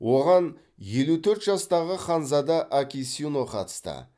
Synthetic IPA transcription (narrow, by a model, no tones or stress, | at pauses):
wo̞ʁɑn | je̞lut̪ʰɵɾt̪ʒɑst̪ɑʁəχɑnzɑd̪ɑʔakʲisʲinoqʰɑ̰t̪ə̥st̪ə̰